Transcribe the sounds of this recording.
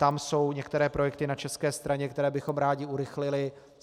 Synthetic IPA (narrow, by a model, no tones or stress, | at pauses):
t̪amso̞wɲɛkt̪ɛɾɛːpɾo̞jɛkt̪ɪnat͡ʃɛskɛːst̪ɾaɲɛkt̪ɛɾɛːbɪxo̞mɾaːɟɪuɾɪxlɪlɪ